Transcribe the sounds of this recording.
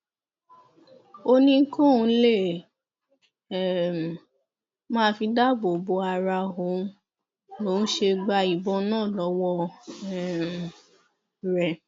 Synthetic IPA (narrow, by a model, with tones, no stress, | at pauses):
o˧nĩ˦ŋ̩˦kõ˦˨˧le˦˨ | m˨ | mãː˦fi˧da˦bo˨bo˧a˧ɾa˧ɦo˨˦ | lo˨˦n̩˦ʃe˧ɡ͡ba˧i˨bɔ˨˧nãː˦˨lɔ˨˦wɔ˧ɛ˨ | ɾɛ˨